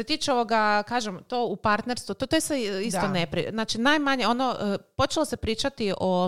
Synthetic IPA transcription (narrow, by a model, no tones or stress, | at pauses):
set̪iːt͡ʃeo̞ʋoɡakaːʒemt̪oːupaɾt̪ne̞ɾst̪ʋut̪ot̪oist̪oisonepɾḭznaːt͡ʃinajmaɲeo̞noəpo̞t͡ʃelˠosepɾiːt͡ʃat̪iʔo